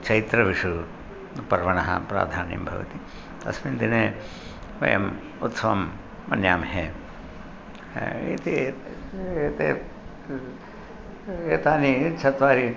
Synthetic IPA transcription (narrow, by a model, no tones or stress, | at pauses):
t͡ʃɐjit̪ɾɐʋiʂu | pɐɾʋɐɳɐɦɐ̰pɾa̰ːd̪ʱaːnjḭmbʱɐ̰ʋɐ̰t̪i | t̪ɐ̰smind̪ineː | ʋɐ̰jɐ̰m | ut̪sɐʋɐmː | ɐnjaːmɦeː | it̪i | et̪eː | eːt̪aːnit͡ʃʰɐt̪ʋaːɾi